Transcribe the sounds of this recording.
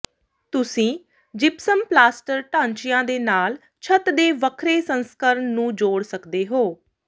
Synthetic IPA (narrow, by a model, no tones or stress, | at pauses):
t̪ʊsĩː | d͡ʒɪpsəmplaːsʈəɾʈãːɲt͡ʃɪjãːd̪eːnaːl | t͡ʃʰət̪d̪eːʋəkʰɾeːsənskəɾəɳːũːd͡ʒoːɽsəkd̪eːɦoː